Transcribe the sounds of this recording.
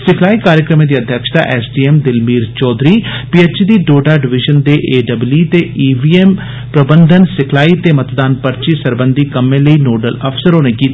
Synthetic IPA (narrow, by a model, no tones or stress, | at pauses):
sɪkʰlaːiːkaːɾjəkɾəmẽːd̪iːəd̪ʱjəkʃt̪a̰ːʔɛːsɖiːɛːmd̪ɪlmiːɾt͡ʃɔːd̪ɾiːpiːeːt͡ʃid̪iːɖoːɖaːɖɪʋɪʒənd̪eːʔeːɖəbliːt̪eːiːʋiːeːm | pɾəbənd̪ʱənsɪkʰlaːiːt̪eːmət̪d̪aːnpəɾt͡ʃiːsəɾbənd̪ʱiːkəmẽːləiːnoːɖələpʰsəɾɦoːneːkiːt̪